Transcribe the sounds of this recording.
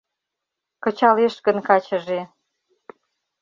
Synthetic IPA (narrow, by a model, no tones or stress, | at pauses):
kə̆t͡ɕɑleʃɣə̆nkɑt͡ɕə̆ʒe